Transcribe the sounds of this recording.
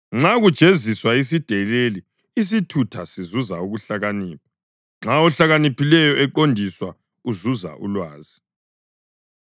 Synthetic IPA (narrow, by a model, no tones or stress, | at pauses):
ŋ͡ǁaɣud̥ʒ̥ʱeziswais̬id̥ʱɛleli | is̬itʰutʰasizuzauɣuɬaɣaniːp̚ʰḁ | ŋ͡ǁaɔɬaɣanipʰilɛjɔɛǃondʱiswa | uzuza̰ʔṵlwaːzi